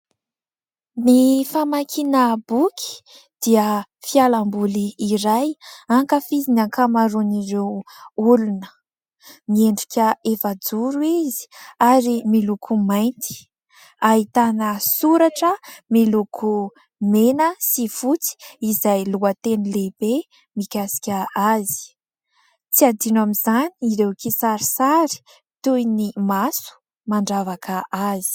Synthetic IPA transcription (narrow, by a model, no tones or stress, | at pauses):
nifamakʰinəbukʲʰi̥ | d̪̥iəfialambuliːɾajaŋkəfizinakamaɾuniɾewulunə̥ | mieɳɖ͡ʐikʲəefad͡zuɾuizi̥aɾimilukʰumajnt̪i̥ | aɦit̪anəsuɾaʈ͡ʂəmilukʰu | menəsifut͡si̥izajluət̪enileb̥e | mikʲasi̥kʲaazi̥ | t͡siad̪inamizaniiɾewkisaɾi̥saɾi̥ | t̪ujnimasu̥ | maɳɖ͡ʐavakʰəazi̥